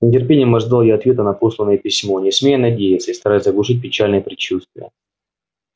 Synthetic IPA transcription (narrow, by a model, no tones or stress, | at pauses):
snʲɪtʲɪrpʲenʲɪjəmɐʐd̪alˠjaɐt̪vʲe̞t̪ənɐpo̞slˠənːəjəpʲɪsʲmonʲɪsmʲejənɐdʲejɪt̪səist̪ɐɾajt̪səɐɡlˠʊʂɨt̚ʲpʲɪt͡ɕalʲnəjəpɾʲɪt͡ɕust̪vʲɪjə̰